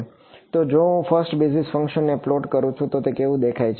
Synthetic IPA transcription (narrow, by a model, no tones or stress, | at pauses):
t̪od͡ʒoũfəɾsʈbid͡ʒnisfə̃ŋkʃənːeəploɖkəɾũt͡ʃʰũt̪ot̪ekeʋũd̪ekʰajt͡ʃʰ